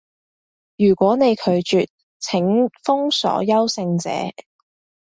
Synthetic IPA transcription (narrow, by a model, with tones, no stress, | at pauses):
jyː˨˩kʷɔː˨˥ne˨˧jkʰɵ˨˧ɥt͡ʃyː˨t̚ | t͡sʰɪ˨˥ŋfʊ˥ŋsɔ̰ː˨˥jɐ˥wsɪ˧ŋt͡sɛ̰ː˨˥